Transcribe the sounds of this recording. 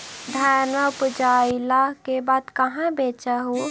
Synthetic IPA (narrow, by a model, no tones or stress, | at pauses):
d̪ʱaɾnməʊpd͡ʒaːilakebaːd̪kəɦãbeːt͡ʃəɦu